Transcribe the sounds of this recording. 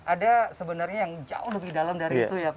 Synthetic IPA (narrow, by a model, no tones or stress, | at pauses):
ʔadasəbənarɲajaŋd͡ʒa̰ʊhləbɪhdalamdaɾiit̪uja